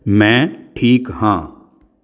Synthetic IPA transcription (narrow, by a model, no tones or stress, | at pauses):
mɛ̃ʈʰiːkhãː